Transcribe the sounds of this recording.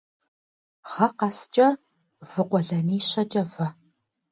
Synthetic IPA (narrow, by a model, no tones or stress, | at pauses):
ʁɐqɑst͡ʃʼɐ | vɨqʷɔɮɐniːɕɐt͡ʃʼɐvɐ